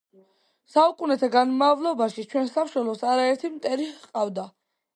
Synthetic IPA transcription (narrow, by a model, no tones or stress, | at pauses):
saukʼunɛt̪ʰaɡanmavlˠɔbaʃit͡ʃʰwɛnsamʃɛlˠɔsaɾaɛɾt̪ʰimt̪ʼɛɾihqʼavd̪a